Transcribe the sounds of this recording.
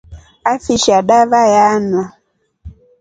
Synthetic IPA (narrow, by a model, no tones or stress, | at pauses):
afiʃaɗavajanwa